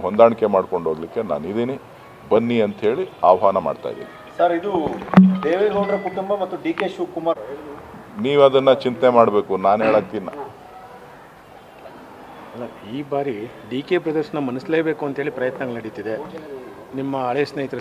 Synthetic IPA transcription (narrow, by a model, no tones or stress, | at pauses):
ɦond̪aːɳkemaːɽko̞ɳɖʱoːɡlikːe̞na̰ːnid̪iːni | bɐnːiɐnt̪ɦeːɭiaːʋɐɦaːnɐma̰ːɖt̪a̰ːjd̪ḭːnisɐɾid̪ud̪eːʋeɡoːɖɾekuʈumbɐmɐt̪ːuɖiːkeʃuːkumaː | niːʋɐd̪ɐnːɐt͡ʃint̪nemaːɽbeːkunaːnɦeːɭaːk̚t̪inːa̰ | ɐlːɐiːbaːɾi | ɖiːkepɾɐd̪ɐɾʂɐnɐmɐnɨsleːbeːkuɐnt̪ɦeːɭlipɾɐjɐt̪nɐɡɐɭlnɐɽit̪ːid̪e̞ | nimːɐːɭesnɐjit̪ɾɐ